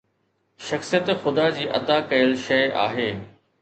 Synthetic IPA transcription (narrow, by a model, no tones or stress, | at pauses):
ʃɐxsijət̪xʊd̪ad͡ʑiːʔɐ̰d̪akɐjəlʃɐɪʔa̰ːɦeː